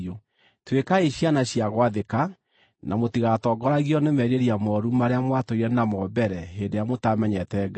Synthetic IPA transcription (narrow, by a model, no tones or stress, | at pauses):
o | twekaeɕjanaɕiaɣwaðeka | nʔamotiɣatɔɡɔɾaɣiɔnemɛɾeɾiamɔɾumaɾeamwatoiɾɛnamɔbɛɾɛɦendejamotamɛɲɛtɛɡ